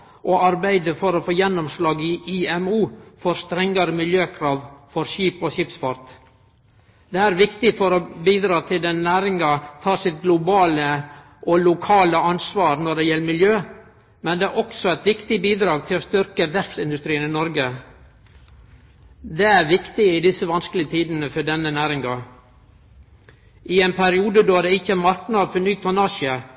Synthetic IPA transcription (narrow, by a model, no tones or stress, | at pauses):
ʔoɑɾbæɪd̪əfɔɾɔfoːjɛnːɔmslɑːɡɪʔiɛmuːfɔɾst̪ɾɛŋːɑɾəmɪljøːkʰɾɑːʋfɔɾʃiːpoʃɪpsfɑɾt̪ | d̪ɛæɾʋɪkt̪ɪfɔɾɔbiːd̪ɾɑːt̪ʰɪld̪ɛnːæːɾɪŋɑt̪ʰɑːsɪt̪̚ɡlʊbɑːlə | ʔɔlʊkʰɑːləɑnsʋɑːɾnɔɖɛjɛlːəmɪljøː | mɛnd̪ɛæɾʔɔksɔæɪt̪ʋɪkt̪ɪbiːd̪ɾɑːɡ̚t̪ʰɪlɔst̪ʏɾkəʋ̪ɛɾfsɪnd̪ʉst̪ɾiːənɪnɔɾɡə | d̪ɛæɾʋɪkt̪ɪɪd̪ɪsːəʋɑnskəlɪət̪ʰiːd̪ənəfɔɖɛnːənæːɾɪŋɑ | ʔɪɛɪnpʰæɾɪuːd̪əd̪oːd̪ɛɪçːəæmɑɾknɑd̪fɔnyːt̪ʰɔnɑːʃə